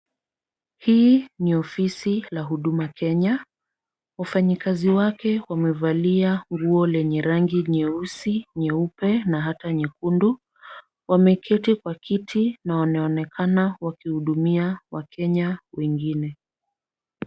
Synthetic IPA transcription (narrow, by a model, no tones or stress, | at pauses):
hiːniɔfisilaɦuɗumakɛɲa | wafaɲikaziwakɛwamɛvaliaŋɡuɔlɛɲɛɾaŋɡiɲɛusiɲɛupɛnaɦataɲɛkundu | wamɛkʰɛtikwakʰitʰinawanaɔnɛkʰanawakihuɗumiawakʰɛɲawɛŋɡinɛ